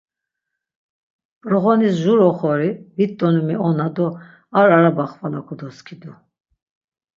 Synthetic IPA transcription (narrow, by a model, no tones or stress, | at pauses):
pʼɾɔʁɔnisʒuɾɔχɔɾivit̪ʼːɔnumiɔnad̪ɔ | aɾaɾabaχvala̰kʰɔd̪ɔskʰid̪u